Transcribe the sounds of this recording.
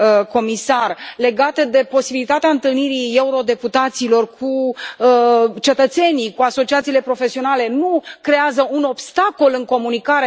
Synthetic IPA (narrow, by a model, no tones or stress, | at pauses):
ko̞misarle̞ɡat̪əd̪e̞po̞sibilit̪at̪eaɨnt̪ɨlniɾie̞uɾo̞d̪e̞put̪at̪silo̞rkʰu | t͡ʃe̞t̪ət̪se̞nijkuaso̞t͡ʃiat̪siːle̞pɾo̞fe̞sio̞nale̞nukɾe̞azəuno̞bst̪ako̞lɨŋko̞munikaɾe